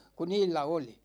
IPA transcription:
ku niːlːæ oli

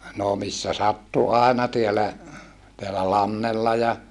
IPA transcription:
noː misːæ sɑtːu ɑˑenɑ tiælæ teælæ lɑnːelːɑ jɑ

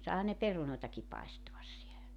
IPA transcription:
sɑˑehɑn ne perunoˑetɑki pɑestoɑs sielæ

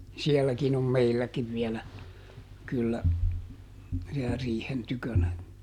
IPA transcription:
siɛlːækin om meilːækiʋ ʋielæ kylːæ siɛlæ riːhen tykønæ

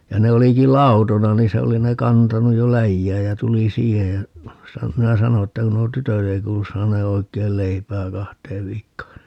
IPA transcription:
jɑ ne oliki lɑutonɑ niː se oli ne kɑntɑnuj jo læjːæːj jæ tuli siːhej jɑ sɑ minæ sɑno etːæ ku nuo tytøt ei kuːlus sɑːneː oikˑeil leipæː kɑhteːʋ ʋiːkːoː

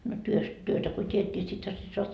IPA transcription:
no tyøst tyøtæ ko tʲiet nʲi sithæ se soɑt

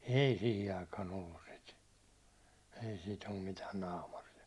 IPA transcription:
ei sihi ɑikɑːn olːus sit ei sit om mitæːn nɑːmɑriɑ

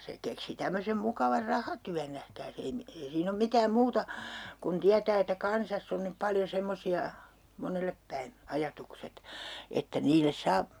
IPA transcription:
se keksi tæmːøsem mukɑʋɑr rɑhɑtyæn næhkæːs ei mi ei siːn om mitæːm muːtɑ kun tiætæː etːæ kɑnsɑsː on nyp pɑljo semːosiɑ monelːep pæin ɑjɑtukset etːæ niːlˑes sɑː

